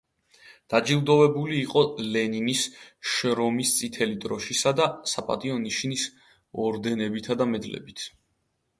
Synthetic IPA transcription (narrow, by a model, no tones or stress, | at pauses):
d̪̥ad͡ʒilˠd̪ɔvɛbuliːqʼɔlɛninisʃɾɔmist̪sʼit̪ʰɛlid̪ɾɔʃisad̪asapʼa̰t̪ʼiɔniʃnis | ɔɾd̪ɛnɛbit̪ʰad̪amɛd̪lɛ̰bit̪ʰ